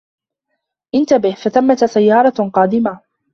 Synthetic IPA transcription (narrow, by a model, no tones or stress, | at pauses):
ʔɪnt̪abɪhfaθamːat̪sajːɑːɾˤɑqɑːd̪ɪma